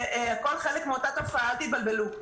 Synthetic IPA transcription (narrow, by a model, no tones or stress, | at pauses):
eako̞lχelekmeot̪at̪afaalt̪it̪̚balbe̞lu